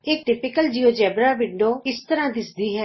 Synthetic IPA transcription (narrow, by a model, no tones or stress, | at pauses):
ɪk̚ʈɪpɪkəld͡ʒiːoːd͡ʒɛːbɾaːʋɪɳɖoːɪst̪əɾãːd̪ɪsd̪iːɦɛː